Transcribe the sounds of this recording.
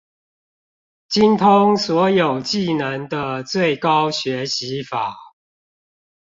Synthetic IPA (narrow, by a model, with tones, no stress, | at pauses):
t͡ɕi˦nt̪ʰʊ˦ŋswɔ˨˦jo˨˩ʊt͡ɕi˥˨nə˨˧˦ŋd̪ə˦t͡swe˥˨ɪkɑ˦ʊɕɥɛ˨˦ɕi˨˦fa˨˩˦